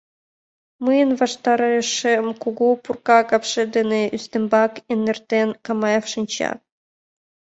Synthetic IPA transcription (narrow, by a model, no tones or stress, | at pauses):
mɯjənvɑʂt̪ɑɾɑʂemkuɡupurkɑkɑpʂɘ̆d̪ɘ̆neʔyst̪ɘ̆mbɑkenːĕrt̪enkɑmɑjɑfʂɤ̆nʲt͡ɕɑ̰